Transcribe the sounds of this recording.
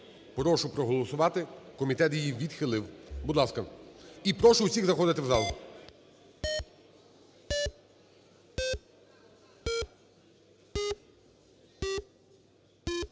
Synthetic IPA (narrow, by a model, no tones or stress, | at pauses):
pɾɔʃʊpɾɔɦɔlˠɔsʊʋɑt̪ɪkɔmʲit̪ɛt̪jijiʋʲid̪xɪlˠɪwbud̪lˠɑskɐipɾɔʃʊʊsʲiɣzɐxɔd̪ɪt̪ɪwzɑlˠ